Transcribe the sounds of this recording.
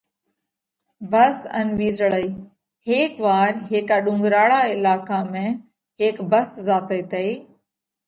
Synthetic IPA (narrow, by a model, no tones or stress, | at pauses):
bəsə̰nʋiːzəɭəiː | heːkʋaːɾɦeːkaːɗʊ̃ŋɡɾaːɭaːɪlaːkaːmẽː | ɦeːkbəszaːt̪eːt̪eiː